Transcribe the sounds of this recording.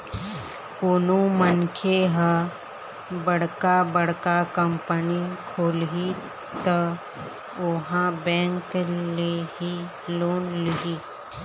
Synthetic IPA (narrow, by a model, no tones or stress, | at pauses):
koːnomənkʰeɦə | bəɽ̤kabəɽkakəmpənikʰoːlɦi | t̪ə | ʊɦãbɛ̃ːŋkleɦi | loːnlɪɦiː